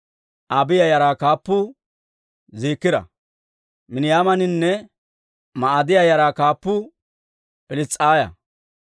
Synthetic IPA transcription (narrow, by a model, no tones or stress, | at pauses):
ʔabɪjɐjɐɾaːkaːpːʊ | ziːkːɪd̪ɐ̰ | mɪnɪjaːmɐnɪnːɛ | mɐad̪ɪjajɐɾaːkaːpːʊ | pɪlɪt͡sʼːaːjɐ̰